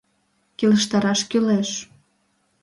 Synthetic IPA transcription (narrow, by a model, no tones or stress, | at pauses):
kiləʃt̪ɑɾɑʃkyleʃ